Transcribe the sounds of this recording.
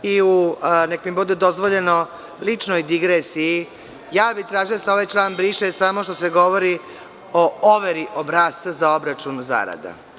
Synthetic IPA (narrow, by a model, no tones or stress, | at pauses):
iunekmibud̪ed̪o̞zʋo̞ʎe̞no̞ | lit͡ʂnojd̪iɡɾesiji | jaːbit̪ɾaːʒiosaoʋajt͡ʃlˠaːnbɾiːʃesamoʃt̪o̞se̞ɡo̞ʋo̞ɾi | ooʋeɾiʔobɾast̪azao̞bɾat͡ʃunza̰ɾa̰d̪a̰